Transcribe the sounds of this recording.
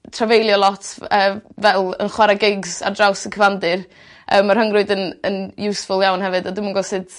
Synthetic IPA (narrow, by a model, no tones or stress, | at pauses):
tʰravejlˠjɔlˠɔtʰəːvɛlˠə̰nχwaɾaɡɪɡza̰drawsəkʰəvandɨr | ʔə̰ːmːar̥həŋrʊɨdənənjuːsfʊlˠjawnhɛvɨdadɪmunɡɔsɨd̥